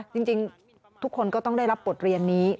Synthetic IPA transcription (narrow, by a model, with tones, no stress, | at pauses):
t͡ɕi˧ŋt͡ɕi˧ŋ | t̪ʰu˦˥kʰːo˧nkɔ˥˩t̪ɔ˥˩ŋda˥˩jɾa˦˥pːo˨˩t̪̚ɾi˧ənːiː˦˥